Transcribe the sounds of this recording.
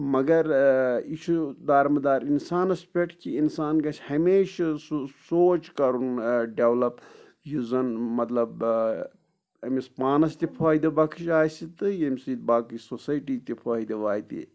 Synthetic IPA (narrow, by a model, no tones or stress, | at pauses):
mɐɡɐɾit͡ʃʰud̪aːɾmɨd̪aːɾinsaːnɐspʰeʈkiinsaːnɡɐt͡ʃʰhɐmeːʃsoːt͡ʃkɐɾunɖeʋlɐp | juzɐnmɐt̪lɐb | ɐmispaːnɐst̪ipʰaːid̪ibɐkʰiʃaːsit̪ɨjɐmisid̪baːkɨsosɐjʈiːt̪ipʰoid̪iʋaːit̪ḭ